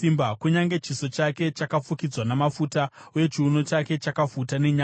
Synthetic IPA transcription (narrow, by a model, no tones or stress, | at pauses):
imbakuɲaŋɡe̞t͡ʃiso̞t͡ʃake̞t͡ʃakafukid͡zwanamafutauje̞t͡ʃiuno̞t͡ʃake̞t͡ʃakafutane̞ɲa